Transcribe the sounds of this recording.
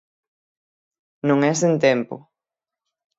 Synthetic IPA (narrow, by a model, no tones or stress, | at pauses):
nõŋɛsent̪ɛmpʊ̰